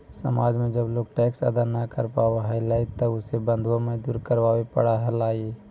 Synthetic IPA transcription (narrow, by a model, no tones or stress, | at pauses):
sə̰maːd͡ʒmẽd͡ʒəbloːɡ̚ʈɛksə̰d̪anakə̰ɾpawaɦɛlɛɪt̪əʊsebənd̪ʱwaməd͡ʒd̪uːɾkəɾʋaːwepə̰ɽaɦɛlaːɡi